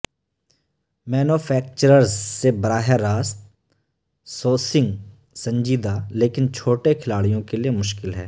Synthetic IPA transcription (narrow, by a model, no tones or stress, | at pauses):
mɛːnuːpʰɛːk̚t͡ʃəɾəɾzːebɐɾaːɦeɾːaːst̪ | soːsɪ̃ŋɡ | sɐ̃ɲd͡ʒiːd̪aleːkɪnt͡ʃʰoːʈekʰɪlaːɽijõkeliemʊʃkɪlɦɛː